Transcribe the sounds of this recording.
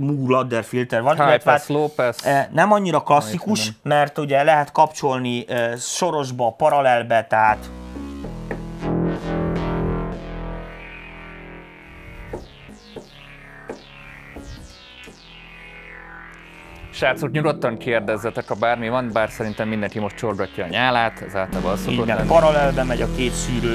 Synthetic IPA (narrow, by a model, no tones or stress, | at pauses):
muɡlɒd̪ːɛrfilt̪ɛrvɒt̪aloːpɛsnɛmɒɲːiɾɒklɒsːikuʃmɛrt̪uɟɛlɛɦɛt̪kɒpt͡ʃo̞lniʃo̞ɾo̞ʒbɒːpɒɾɒlɛlbɛt̪ɛɦaːt̪ | ʃaːt̪sukɲuɡo̞t̪ːɒŋkeːrd̪ɛzːɛt̪ɛkɒbaːrmivɒnbaːrsɛɾint̪ɛmːind̪ɛŋkimo̞ʃtt͡ʃorɡɒcːɒːɲaːlaːt̪ɛ̰zaːlt̪abɒlsoioɛpɒɾɒlɛlbɛmɛɟɒkeːt̪ʃyːɾøː